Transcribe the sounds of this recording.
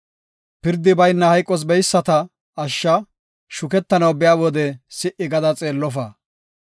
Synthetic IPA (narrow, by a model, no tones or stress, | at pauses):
pɪɾd̪ɪbɐjnːɐhɐjkʼːɔs̬bɛjsːɐt̪ɐ | ɐʃːɐ | ʃʊkɛt̪ːɐnɐwbɪjaːwɔd̪ɛsɪʔːɪɡɐd̪ɐt͡sʼeːlːɔfɐ